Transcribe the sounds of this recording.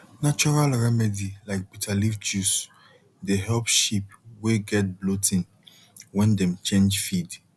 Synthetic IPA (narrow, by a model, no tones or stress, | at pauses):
nat͡ʃɔɹalɹɛmɛdilaɪk̚bitʰalifd͡ʒus | deɦɛlpʃip̚weɡɛt̚blotʰĩn | wɛ̃ndɛ̃mt͡ʃʰẽnd͡ʒfid